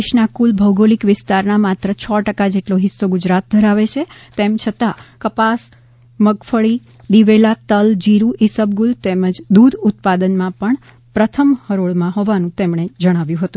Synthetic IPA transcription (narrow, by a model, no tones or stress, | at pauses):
ʃnakulbʱəwɡolikʋɪst̪aɾnamat̪ɾət͡ʃʰɔʈəkad͡ʒeʈloɦɪsːoɡʊd͡ʒɾat̪̚d̪ʱəɾaʋet͡ʃʰet̪emt͡ʃʰət̪akəpas | məɡfəɭi | d̪iʋelat̪əld͡ʒiɾuʔisəbɡult̪eməd͡ʒd̪ud̪ʱʊt̪̚pad̪ənmãpəɳ | pɾət̪ʰəmhəɾoɭmãɦoʋanũt̪emɳ̃ed͡ʒəɽ̃aʋjũɦət̪ũ